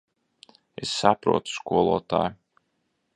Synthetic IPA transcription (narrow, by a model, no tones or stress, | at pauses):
esːapɾṵɔt̪u̥skuɔlˠṵɔt̪a̰ːju